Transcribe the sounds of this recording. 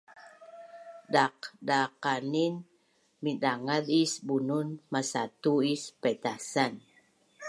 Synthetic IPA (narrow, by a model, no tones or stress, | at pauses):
daqdaqanin | midaŋadisbununmasat̪uispet̪asan